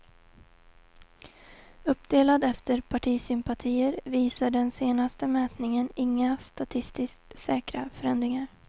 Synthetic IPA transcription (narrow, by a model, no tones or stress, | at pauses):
ɵpːd̪eːlad̪ɛft̪əɾpʰaʈʰiːsʏmpat̪ʰiːəɾviːsaɖɛnseːnast̪əmɛːt̪nɪŋənɪŋːast̪at̪ʰɪst̪ɪsksɛːkɾa̰fœɾɛnd̪ɾɪŋaɾ